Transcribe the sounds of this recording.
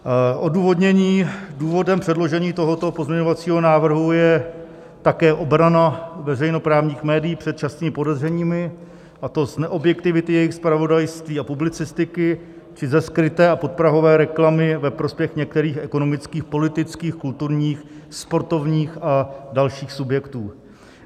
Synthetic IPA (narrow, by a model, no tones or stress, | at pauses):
ʔo̞duːvo̞dɲɛɲiːduːvo̞dɛmpr̝̥ɛdlo̞ʒɛɲiːt̪o̞ɦo̞t̪o̞pozmɲɛɲo̞vat͡siːɦo̞naːvr̩ɦujɛ | t̪akɛːʔo̞bɾanavɛrɛjno̞pɾaːvɲiːxmɛːdijiːpr̥ɛt̪̚t͡ʃasniːmɪpo̞dɛzrɛɲiːmɪ | ʔat̪o̞znɛʔo̞bjɛkt̪ɪvɪt̪ɪjɛjɪxspɾavo̞dajst̪viːapublɪt͡sɪst̪ɪkɪ | t͡ʃɪzɛskɾɪt̪ɛːapo̞t̪̚pɾaɦo̞vɛːɾɛklamɪvɛpɾo̞spjɛxɲɛk̚t̪ɛɾiːxʔɛko̞no̞mɪt͡skiːxpo̞lɪt̪ɪt͡skiːxkult̪uɾɲiːxspo̞ɾt̪o̞vɲiːxadalʃiːxsubjɛkt̪uː